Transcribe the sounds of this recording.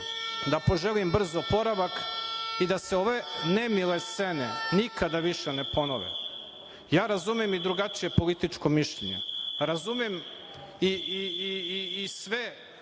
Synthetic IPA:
d̪apo̞ʒelimbr̩zopo̞ɾaʋakid̪aseo̞ʋe̞nemile̞st̪senenikad̪aʋiʃenepo̞no̰ʋḛ | jaːɾazumiemid̪ɾuɡat͡ʃije̞po̞lit̪it͡ʃkomiʃʎeɲḛɾazumem | iiiːsʋe

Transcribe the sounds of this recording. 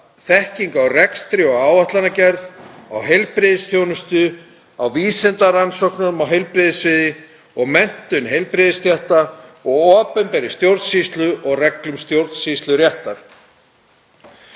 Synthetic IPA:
θɛhciŋkawrɛkst̪ɾɪɔɣaːwaht̪lanacɛɾðawɦejlpɾɪðɪsθʰjownʏst̪ʏ | awviːsɛnt̪aransɔwknaʏmawɦejlpɾɪðɪsvɪðɪ | ɔɣmɛn̥t̪ʏnɦejlpɾɪðɪst̪jɛht̪aɔɣɔːpɛnpɛɾɪst̪jowɾt̪sist̪lʏʔɔɣrɛklʏmst̪jowɾt̪sist̪lʏɾjɛht̪aɾ̥

